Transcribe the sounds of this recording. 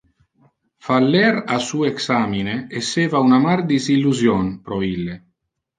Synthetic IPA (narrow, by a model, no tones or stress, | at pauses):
falːɛɾasuːeksaːmineːsːeːvaunamard̪izilːuzjɔnpɾɔilːe